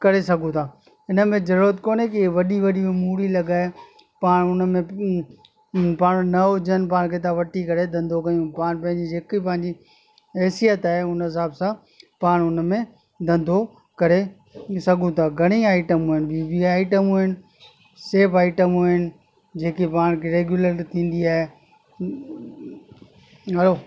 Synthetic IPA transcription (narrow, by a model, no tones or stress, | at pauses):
kɐɾesɐɡʱũt̪ʰaː | ɪnə̆mẽzɐɾuɾət̪koːnekiʋɐɗiʋɐɗibmuːɾilɐɡaːe | paːɽ̃ʊnəmẽ | paːɽ̃nɐod͡ʑənpaːɽ̃kʰeːt̪ãʋɐʈikɐɾed̪ʱɐ̃nd̪ʱokɐjũpaːɽ̃pɐ̃ɦɪ̃ɲd͡ʑid͡ʑeːkip̬ɐ̃ɦɪ̃ɲd͡ʑi | ɛːsijət̪aːɦeʊnɦɪs̬aːbsã | paːɽ̃ʊnmẽ | d̪ʱɐ̃nd̪ʱo | kɐɾe | sɐɡʱũt̪ʰaːɡʱɐɽ̃iaːɪʈəmɦuːɦɪnɪbibiaːɪʈəmɦuːɦɪnɪ̆ | seːpaːɪʈəmuɦɪnɪ̆ | d͡ʑeːkipaːɽ̃kʰeɾeːɡjuləɾt̪ʰĩːn̆d̪iaːɦe | ɐɽoː